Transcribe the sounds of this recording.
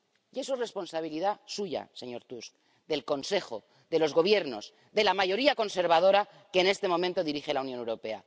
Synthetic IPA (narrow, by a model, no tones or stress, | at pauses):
jesure̞spo̞nsaβiliðasuʝa̰se̞ɲo̞ɾt̪usk | d̪e̞lko̞nse̞xo̞ | ðe̞lo̞zɣo̞β̞je̞ɾno̞z | d̪e̞lamaʝo̞ɾiako̞nse̞ɾβ̞að̞o̞ɾa | ke̞ːne̞st̪e̞momẽnt̪o̞ðiɾixe̞launjonewɾo̞pe̞a̰